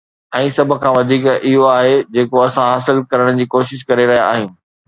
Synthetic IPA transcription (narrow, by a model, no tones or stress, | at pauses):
ɛ̃ːsɐbʱʊ̆kʰãːʋɐd̪ʱiːkɪɦoaːɦed͡ʑeːkoɐsãɦaːsɪlkɐɾəɽ̃d͡ʑiːkoːʃɪʃ̬kɐɾeɾɐɦijaaːɦɪ̃ːnɪ̆